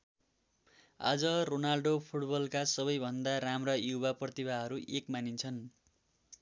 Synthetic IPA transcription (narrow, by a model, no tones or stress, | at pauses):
a̰d͡zʌronarlɖopʰuʈbʌlkasʌβʌjbʱʌnd̪aɾamrʌjubaprʌt̪ibʱaɦʌɾuʔekmanint͡sʰʌn